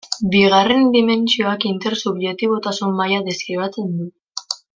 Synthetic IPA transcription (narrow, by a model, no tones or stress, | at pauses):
biɣare̞nd̪ime̞nt͡sio̞akint̪e̞ɾsuβjek̚t̪iβ̞o̞t̪asumːajaðeskɾiβat͡se̞nd̪u